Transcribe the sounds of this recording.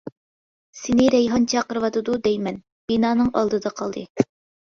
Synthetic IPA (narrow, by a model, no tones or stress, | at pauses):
sɪnɪɾɛjɦɑnt͡ʃʰɑqəɾɨwɑt̪ɨd̪ud̪ɛjmɛn | b̥inɑːnɨŋʔɑ̰lˠd̪ɨd̪ɑqʰɑlˠd̪ɨ